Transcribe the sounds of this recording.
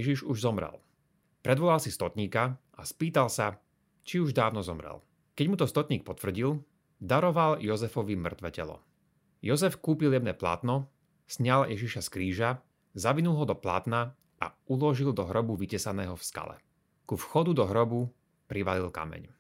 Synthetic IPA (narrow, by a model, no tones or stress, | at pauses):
jɛʒiʒuʒzɔmɾɛ̰l | pɾɛd̪ʋɔlalsist̪ɔt̪ɲiːkaʔaspiːt̪alsa | t͡ʃiuʒd̪aːʊnɔzɔmɾɛ̰l | kɛɟmut̪ɔst̪ɔt̪ɲiːk̚pɔt̪ʋr̩ɟil | d̪aɾɔʋaljɔzɛfɔʋimr̩t̪ʋɛcɛlɔ̰ | jɔzɛfkuːpiljɛmnɛ̰ːpla̰ːt̪nɔ | sɲaljʔɛʒiʃaskɾiːʒa | zaʋinulˠɦɔd̪ɔpla̰ːt̪na | a̰ | ulɔʒild̪ɔɦɾɔbuʋicɛsanɛːɦɔfska̰lɛ̰ | kufxɔd̪ud̪ɔɦɾɔbu | pɾiʋalilka̰mɛ̰ɲ